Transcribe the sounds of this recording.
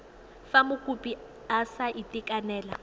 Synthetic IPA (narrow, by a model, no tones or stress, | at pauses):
famʊkʼupi | asaʔitʼikʼanɛːla